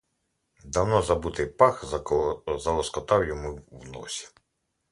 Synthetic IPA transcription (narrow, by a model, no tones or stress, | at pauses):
d̪ɐwnɔzɐbut̪ɪjpɑx | zɐlˠɔskɔt̪ɑwjɔmuwnɔ̰sʲi̥